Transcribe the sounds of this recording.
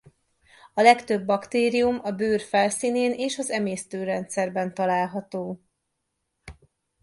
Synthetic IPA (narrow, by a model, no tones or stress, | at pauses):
ɒlɛkt̪øbːɒkt̪eːɾijumɒbøːrfɛlsiːneːneːʃɒzɛmeːst̪øːɾɛnt̪sɛrbɛnt̪ɒlaːlɦɒt̪oː